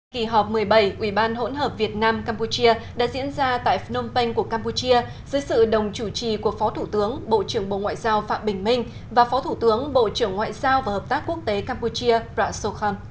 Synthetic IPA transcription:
ki˧˩ɦɔ˨˩p̚mɨ˨˩əjɓə˧˩jʔwi˧˩ɓaː˧nɦo̰˧˥nɦəː˨˩p̚vi˨˩ət̚naː˧mkaː˧mpu˧t͡ɕi˧əɗa̰ː˧˥zḭ˧˥ənzaː˧t̪a̰ː˧˨jfno˧ŋ͡mpə˧jŋ̟ku˧˩əkaː˧mpu˧t͡ɕi˧ə | zəː˨˦jsɨ̰˧˨ɗə˨˩wŋ͡mt͡ɕu˧˩t͡ɕi˨˩ku˨˩ək̚fɔ˨˦t̪ʰu˧˩t̪ɨ˨˦əŋɓo̰˧˨t͡ɕɨ˧˩əŋɓo̰˧˨ŋwa̰ː˧˨jzaː˧wfa̰ː˧˨ɓï˨˩ŋ̟mï˧ŋ̟ | vaː˨˩fɔ˨˦t̪ʰu˧˩t̪ɨ˨˦əŋɓo̰˧˨t͡ɕɨ˧˩əŋːwa̰ː˧˨jzaː˧wvaː˨˩həː˨˩p̚t̪aː˦˥k̚ku˦˥ək̚t̪e˨˦kaː˧mpu˧t͡ɕi˧əpzaː˧so˧xɔː˧m

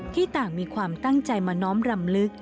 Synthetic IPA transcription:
t̪ʰiː˥˩t̪aː˨˩ŋmiː˧kʰwaː˧mt̪a˥˩ŋt͡ɕa˧jmaː˧nɔː˦˥mɾa˧mlɯ˦˥k̚

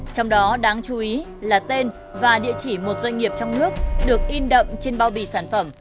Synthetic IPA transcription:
t͡ɕɔ˧wŋ͡mɗɔ˨˦ɗaː˨˦ŋt͡ɕu˨˦ʔi˨˦ | laː˨˩t̪e˧n | vaː˨˩ɗḭ˧˨ət͡ɕi˧˩mo˨˩t̚zwa˧jŋ̟ŋi˨˩əp̚t͡ɕɔ˧wŋ͡mnɨ˦˥ək̚ɗɨ˨˩ək̚ʔi˧nɗə̰˧˨wŋ͡mt͡ɕe˧nɓaː˧wɓi˧˩saː˧˩nfə˧˩m

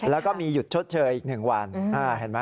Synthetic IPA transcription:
lɛː˦˥wkɔː˥˩miː˧ju˨˩t̪̚t͡ɕʰo˦˥t̪̚t͡ɕʰɤː˧jʔiː˨˩k̚nɯ˨˩ŋwa˧nʔaː˧˩ɦe˨˩˦nma˦˥

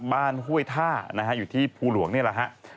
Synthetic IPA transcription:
baː˥˩nɦu˥˩əjt̪ʰaː˥˩na˦˥kʰa˦˥ʔjuː˨˩t̪ʰiː˥˩pʰuː˧lu˨˩˦əŋni˥˩la˨˩kʰa˦˥ʔ

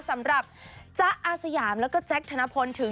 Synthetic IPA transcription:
sa˨˩˦mɾa˨˩p̚t͡ɕa˦˥ʔʔaː˧˩sa˧jaː˩˦mlɛː˦˥kɔː˥˩t͡ɕɛ˦˥k̚t̪ʰa˧na˦˥pʰo˧nt̪ʰɯ˩˦

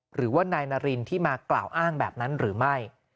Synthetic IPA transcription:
ɾɯː˩˦waː˥˩naː˧jnaː˧ɾi˧nt̪ʰiː˥˩maː˧kla̰ː˨˩wʔaː˥˩ŋbɛː˨˩p̚na˦˥nɾɯː˩˦ma˥˩j

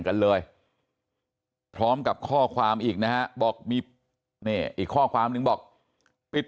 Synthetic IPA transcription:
ŋka˧nlɤː˧j | pʰɾɔː˦˥mka˨˩p̚kʰɔː˥˩kʰwaː˧mʔiː˨˩k̚na˦˥ka˦˥ʔbɔː˨˩k̚miː˧ | niː˥˩ʔiː˨˩kʰːɔː˥˩kʰwaː˧mnɯ˨˧ŋbɔː˨˩k̚ | pi˨˩t̪̚

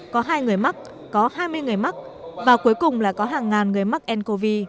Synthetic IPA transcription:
kɔ˨˦ɦaː˧jŋɨ˨˩əjma˦˥k̚ | kɔ˨˦haː˧jmɨ˧əjŋɨ˨˩əjma˦˥k̚ | vaː˨˩ku˨˦əjkʊ˨˩ŋ͡mla̰ː˧˨˩kɔ˨˦ɦaː˨˩ŋːaː˨˩nŋɨ˨˩əjma˦˥k̚ʔɛ˧nko˧vi˧

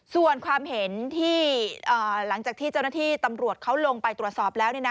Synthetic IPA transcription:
su˨˩ənkʰwaː˧mhe˨˩˦nt̪ʰiː˥˩ʔɤː˨˩la˩˦ŋt͡ɕaː˨˩kt̪ʰiː˥˩t͡ɕa˥˩wnaː˥˩t̪ʰiː˥˩t̪a˧mɾu˨˩ət̪̚kʰa˦˥wlo˧ŋpa˧jt̪ɾu˨˩t̪̚sɔː˨˩p̚lɛː˦˥wni˥˩na˦

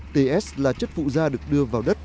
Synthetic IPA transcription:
t̪e˧ʔɛ˦˥slaː˨˩t͡ɕə˦˥t̚fṵ˧˨zaː˧ɗɨ˨˩ək̚ɗɨ˧əvaː˨˩wɗə˦˥t̚

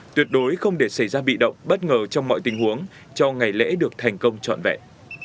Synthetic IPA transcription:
t̪wi˨˩ət̚ɗo˨˦jxə˧wŋ͡mɗe˧˩sa˧˩jzaː˧ɓḭ˧˨ɗə̰˧˨wŋ͡mɓə˦˥t̚ŋəː˨˩t͡ɕɔ˧wŋ͡mmɔ̰˧˨jt̪ï˨˦ŋ̟hu˨˦əŋ | t͡ɕɔ˧ŋa˨˩jlɛ̰˧˥ɗɨ˨˩ək̚t̪ʰa˨˩jŋ̟kə˧wŋ͡mt͡ɕɔ̰˧˨nvɛ̰˧˨

